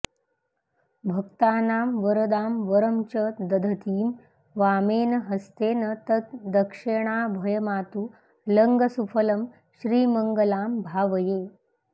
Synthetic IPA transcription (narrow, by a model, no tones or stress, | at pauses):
bʱəkt̪aːnaːmʋəɾəd̪aːmʋəɾəmt͡ɕəd̪əd̪ʱət̪ʰiːm | ʋameːnɦəst̪eːnət̪ət̪d̪əkʂeɳ̃abʱəjəmat̪uː | ləŋɡəsufʰələm | ɕɾiːməŋɡəlaːmbʱaːʋəjeː